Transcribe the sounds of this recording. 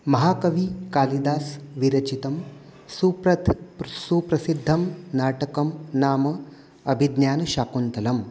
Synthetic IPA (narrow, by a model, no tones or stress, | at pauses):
mɐɦaːkɐʋikaːlid̪aːsʋiɾɐt͡ʃit̪ɐm | supɾɐt̪suːpɾɐsid̪ʱːɐmnaːʈɐkɐmnaːmɐ | ɐbʱid̪njaːnɐʃaːkunt̪ɐlɐm